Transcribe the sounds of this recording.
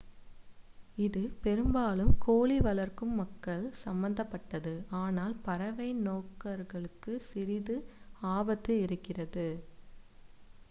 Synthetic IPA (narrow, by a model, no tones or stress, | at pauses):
ɪðɯpɛɾɯmbaːlɯmkʰoːɭiʋɐlɐɾkɯmːɐkːɐɭsɐmbɐnd̪ɐpːɐʈːɐðɯaːnaːlpɐɾɐʋɐɪnoːkːɐɾɣɐɭɯkːɯsɪɾɪðɯaːbɐt̪ːɯɪɾɯkːɪrɐðɯ